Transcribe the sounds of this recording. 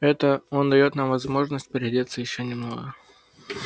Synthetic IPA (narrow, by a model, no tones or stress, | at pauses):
ɛt̪əo̞nd̪ɐjo̞t̪namvɐzmo̞ʐnəsʲt̚ʲpɪɾʲɪdʲet̪səjɪɕːonʲɪmno̰ɡə